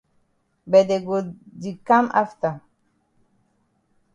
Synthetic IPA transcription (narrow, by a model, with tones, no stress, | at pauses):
bɛ˨d̪ɛ˨ɡo˨di˨ka˦mʔa̰˦ft̪a˨